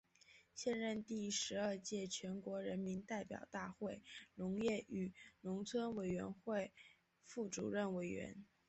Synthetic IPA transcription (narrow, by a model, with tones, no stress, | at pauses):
ɕjɛ˥˧nɻə˥˧nt̪i˥˩ʂɻ̩˧˥ə˞˥˧t͡ɕjɛ˥˩t͡ɕʰɥɛ˧˥nkwɔ˧˥ɻə˧˥nmi˧˥nt̪a˥˩ɪpjɑ˨˩ʊt̪a˥˧xwe˥˩ɪlʊ˧˥ŋjɛ˥˩y˨˩nʊ˧˥ŋt͡sʰwə˥nwe˨˩ɪɥɛ˧˥nxwe˥˧ɪ | fu˥˩ʈ͡ʂṵ˨˩ɻə˥˩nwe˧˥ɪɥɛ̰˧˥n